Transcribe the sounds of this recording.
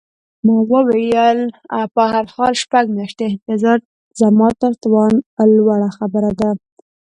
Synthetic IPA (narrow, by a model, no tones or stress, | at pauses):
mɑwəwejəla̰pəhaɾxɑlʃpaɡmjɑʃt̪eɪnfezɑɾ | zamɑt̪əɾt̪wɑnlwaɽaxabəɾad̪a